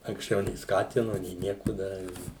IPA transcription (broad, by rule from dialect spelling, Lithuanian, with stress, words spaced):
ɐŋksʲˈt͡ʃʲɛʊ nʲeː ˈskɑːtʲɪnʊ nʲeː ˈnʲiɛkʊ ˈdɑːrʲɪ